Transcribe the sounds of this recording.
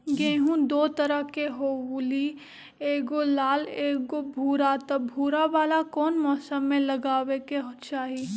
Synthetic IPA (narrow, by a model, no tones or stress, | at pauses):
ɡẽːɦũd̪oːt̪ɐɾəɦkeɦoːwuli | eːɡolaːleːɡobʱuːɾat̪ɐbʱuːɾaʋaːlakɔːnmɔːsəmːẽlɐɡaːwekeɦt͡ʃaːɦi